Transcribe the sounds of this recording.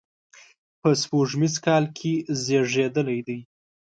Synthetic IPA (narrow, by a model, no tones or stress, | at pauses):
pəspoʐmizkɑlkʰezeʐed̪əlajd̪aj